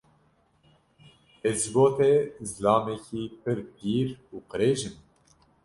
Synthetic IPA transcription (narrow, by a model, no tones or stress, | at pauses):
ɛzɡoːt̪ʰɛzɨlɑːmɛcʰiːpʰɨɾd̪iːɾuːqɨɾeːʒɨm